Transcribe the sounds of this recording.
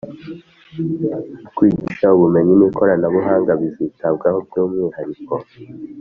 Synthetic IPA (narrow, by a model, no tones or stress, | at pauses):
kwiːɟiʃauβume̞ɲinikʰo̞ɾanaβuɦaːŋɡaβiziːtabɡahob̚juːmŋiːhaɾiko